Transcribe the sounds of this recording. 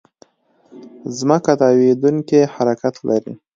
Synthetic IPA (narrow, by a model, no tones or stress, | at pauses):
zməkat̪ɑwed̪uŋkehaɾakat̪lʔaɾḭ